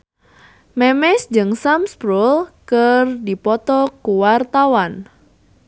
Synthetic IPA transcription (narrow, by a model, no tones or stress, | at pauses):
mɛmɛsd͡ʒɨŋsamspɾulkərdipɔt̪ɔkuwart̪awan